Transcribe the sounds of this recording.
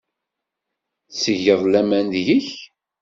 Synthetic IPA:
θsəʝəðˤlæmænjiç

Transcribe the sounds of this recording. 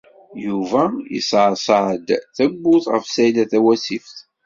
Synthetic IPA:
juvæjḭsʕsˤʕəd̪θæɡːʊθʁəfsæjd̪æθæwæsifθ

